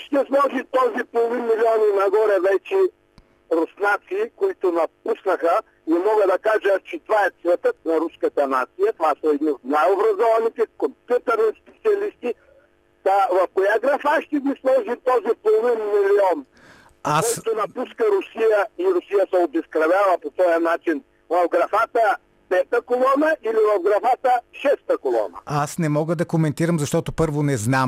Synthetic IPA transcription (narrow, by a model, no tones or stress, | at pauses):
ʃt̪ɛslˠɔʒit̪ɔzipolˠovinmiliɔninɐɡɔɾɛvɛt͡ʃɛ | ɾosnat̪siːkoit̪onɐp̚usnɐxə | imɔɡəd̪ɐkaʒət͡ʃɛt̪ovaɛt̪svɛt̪ət̪̚nɐɾuskət̪ɐnat̪sijɐt̪ovasɐɛd̪niot̪najobɾɐzɔvɐnit̪ɛkompʲjut̪əɾnispɛt̪siɐlist̪i | avɐfkojaɡɾɐfaʃt̪ɛɡ̪ʲislˠɔʒit̪ɔzipolˠovinmiliɔn | askɔjt̪onɐpuskəɾʊsijəiɾʊsijəsɛobɛskɾɐvʲavɐpot̪ɔjənat͡ʃin | vɐfɡɾɐfat̪ə | pɛt̪əkolˠɔnəʔilivɐfɡɾɐfat̪əʃɛst̪əkolˠɔ̰nɐ̰asnɛmɔɡəd̪ɐkomɛnt̪iɾɐmzɐʃt̪ɔt̪ʊpɤɾvonɛznam